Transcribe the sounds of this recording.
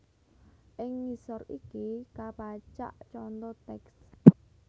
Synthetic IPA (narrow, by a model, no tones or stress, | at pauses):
ʔɪŋmisɔɾikikapat͡ʃa̰ʔt͡ʃɔnt̪ɔt̪ɛks